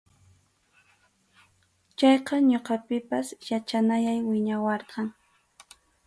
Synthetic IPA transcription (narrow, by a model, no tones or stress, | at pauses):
t͡ʃɑjqɑɲoqɑpɪpasjat͡ʃanajajwɪɲawɑɾqɑŋ